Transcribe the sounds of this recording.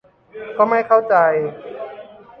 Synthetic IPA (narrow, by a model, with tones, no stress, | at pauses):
kɔː˥˩ma˥˩jkʰa˥˩wt͡ɕa˧j